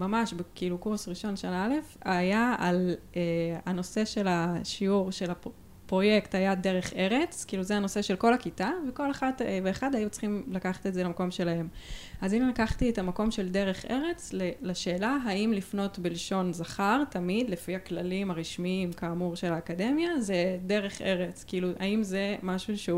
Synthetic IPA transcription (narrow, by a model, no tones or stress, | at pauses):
mamaʃbekiːlukuʁsʁiʃo̞nʃonaale̞fajaaleano̞se̞ʃe̞laʃiuʁʃe̞la | pʁo̞je̞kthajade̞ʁe̞χe̞ʁe̞t͡skiːluzeano̞se̞ʃe̞lko̞lakitaveko̞leχadveːχadajut͡sχimlakaχḁt̪ezelamako̞mʃe̞laɦe̞mazinilakaχtietamako̞mʃe̞lde̞ʁe̞χʔe̞ʁe̞t͡slelaʃeːlaɦaimlifno̞tbilʃo̞nzaχaʁtamid̪lefiaklalimaʁiʃmiimkaːmuʁʃe̞laːkade̞mjazede̞ʁe̞χʔe̞ʁet͡skiiluʔa̰imze̞maʃuʃe